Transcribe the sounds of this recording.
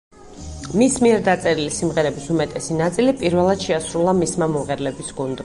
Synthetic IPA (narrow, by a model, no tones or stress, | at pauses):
mismiɛɾd̪at̪sʼɛɾilisimʁɛɾɛbisumɛt̪ʼɛsinat̪sʼilipʼiɾvɛlˠad̪̥ʃɛasɾulˠamismamɔʁɛɾlɛbisɡund̪